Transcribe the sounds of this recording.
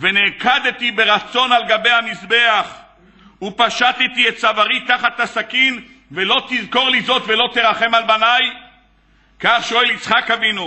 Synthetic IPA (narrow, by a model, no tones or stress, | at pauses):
venekad̪et̪ibeʁat͡so̞nalɡabe̞jhamisbeaχ | upaʃat̪it̪iet̪savaʁit̪aχat̪hasakin | velo̞t̪izko̞ʁlizo̞t̪velo̞t̪eʁaχe̞malbanaj | kaχʃoelit͡sχakavinu